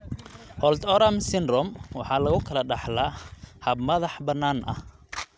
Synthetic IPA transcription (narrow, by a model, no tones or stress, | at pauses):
hɔlt̪ʰɔɾamsɪnrɔmwɑ̰ħɑːlɐɣʊkʰɐlɐɖɑħlahɐb̚mɐðɑħbɐnːaːnʔɐ̰h